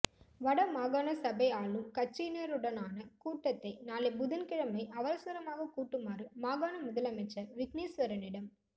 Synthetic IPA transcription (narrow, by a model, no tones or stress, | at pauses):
ʋɐɽɐmaːɣaːnɐsɐbɐɪaːlɯmkɐt͡ʃːineːɾɯɽɐnaːnɐkuːʈːɐt̪ːɐɪnaːlɐɪbʊðɪnkɪɻɐmɐɪʔɐʋɐɾɐsɐɾɐmaːɣɐkuːʈːɯmaːɾɯmaːɣaːnɐmʊðɐlɐmɪt͡ʃːɐʋɪkniːsʋɐɾɐnɪɽɐm